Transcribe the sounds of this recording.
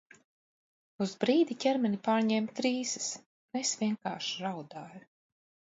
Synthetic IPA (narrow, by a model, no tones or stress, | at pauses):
uzbɾiːd̪icʲɛɾmɛnipaːɾɲɛmt̪ɾiːsɨs | nesvʲiɛŋka̰ːʃiɾawd̪aːju